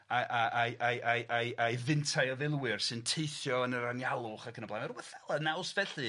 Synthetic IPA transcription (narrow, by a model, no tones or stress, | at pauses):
aʔaʔajʔaʔajʔajʔajvɪntʰajɔðɪlˠwɨrsɨntʰejθjɔənəɾanjalˠʊχakʰənəblanaruwɛθɛlˠanawsvɛɬɨ